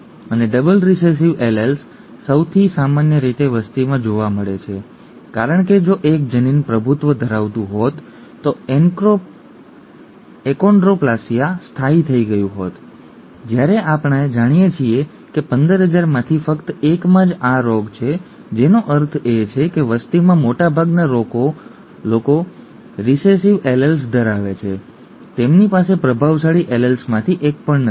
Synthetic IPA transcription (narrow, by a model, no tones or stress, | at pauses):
əneɖəbəlɾises̬iʋelelsː | əwt̪ʰisamanjəɾit̪eʋəst̪imãd͡ʒoʋaməɭet͡ʃʰe | kaɾəɳ̃ked͡ʒoʔek̚d͡ʒəninpɾəbʱut̪ʋəd̪ʱəɾaʋt̪ũɦot̪ː | oe | ekoɳɖɾoplasijast̪ʰait̪ʰəiɡəjũɦot̪ | d͡ʒjaɾeʔapɳ̃aed͡ʒaɽ̃ijet͡ʃʰie | kepənd̪əɾɦəd͡ʒaɾmãt̪ʰifəkt̪ekmãd͡ʒaɾoɡt͡ʃʰe | d͡ʒenoʔəɾt̪ʰet͡ʃʰekeʋəst̪imãmoʈabʱaɡnaɾoko | loko | ɾisesiʋeləls̬d̪əɾaʋet͡ʃʰe | t̪emnipasepɾəbʱaʋsaɽiʔeləlsmãt̪ʰiʔek̚pəɳnə